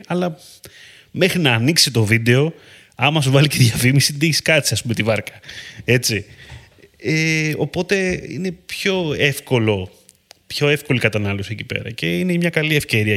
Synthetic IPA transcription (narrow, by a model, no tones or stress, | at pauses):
ɐlɐ | me̞xɾinɐːniksit̪o̞vid̪e̞o̞ | ɐmɐs̬uvɐliceðʝɐfimisiðiçskɐsiɐspume̞t̪ivɐɾkɐ̥e̞t͡si | eo̞po̞t̪e̞ḭne̞pço̞e̞fko̞lo̞ | pço̞e̞fko̞likɐt̪ɐnɐlosicipe̞̰ɾɐ̰ce̞inemɲɐkɐliefce̞ɾiɐ